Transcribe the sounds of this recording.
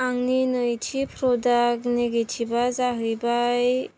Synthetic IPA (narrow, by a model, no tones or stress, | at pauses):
aŋninɯjtʰipʰɾɔdakneɡetʰibazaɦɯjbaj